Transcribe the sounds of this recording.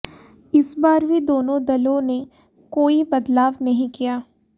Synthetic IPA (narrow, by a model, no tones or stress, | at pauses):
ɪsbaːɾʋʱid̪oːnõd̪ɐlõne | koːibɐd̪laːʋnɐɦĩkijaː